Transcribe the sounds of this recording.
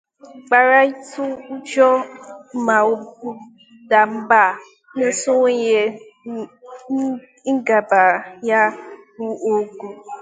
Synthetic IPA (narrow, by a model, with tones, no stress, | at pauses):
k͡pa˨ɾa˦i˦tu˦u˦d͡ʒɔ˦ma˨o˨bu˦ | da˨m̩˦ba˦˨˦ | ne˦su˦we˦je˨˦ | ŋ̩˦ɡa˨ba˨ja˦bu˦o˨ɡu˨